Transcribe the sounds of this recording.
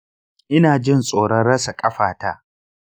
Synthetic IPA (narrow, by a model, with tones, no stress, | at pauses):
ʔɪ˦naː˨d͡ʒɪ˦˨nsʼoː˨ɽɐ˦nɽɐ˦sa˨kʼɐ˦ɸaː˨taː˦